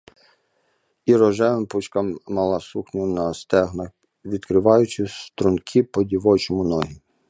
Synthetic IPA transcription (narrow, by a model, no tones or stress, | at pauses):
iɾɔʒɛʋɪmput͡ʃkɐmːɐlˠɐsuxnʲʊnɐst̪ɛɦnɐx | ʋʲid̪kɾɪʋɑjʊt͡ʃɪst̪ɾʊnkʰʲipɔdʲiʋɔjt͡ʃɔmʊnɔɦi